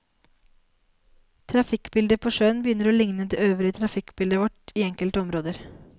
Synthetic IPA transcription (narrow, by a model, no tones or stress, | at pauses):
t̪ʰɾɑfɪkbɪld̪əpʰoːʂøːənbəjʏnəɾoːlɪŋnəd̪eøːʋəɾət̪ʰɾɑfɪkbɪld̪əʋɔʈiːɛŋkəlt̪əɔmɾoːd̪əɾ